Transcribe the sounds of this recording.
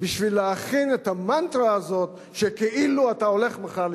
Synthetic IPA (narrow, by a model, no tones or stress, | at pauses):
biʃvilːeaχinet̪amant̪ɾaːzo̞t | ʃekeʔiluatao̞le̞χmeχal